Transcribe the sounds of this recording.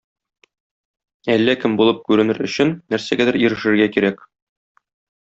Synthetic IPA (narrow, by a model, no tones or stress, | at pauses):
ælːækɘmbulˠɤp̚kʉɾɘ̆nɘɾɵ̆ɕɘnːæɾsæɡæd̪ɘɾĭɾɘ̆ʃɘ̆ɾɡækiɾæk